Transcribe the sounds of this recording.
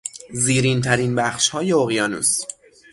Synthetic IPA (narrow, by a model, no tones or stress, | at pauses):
ziːɾiːnt̪ʰæɾinbæxʃhɒːjeoɣjɒːnṵːs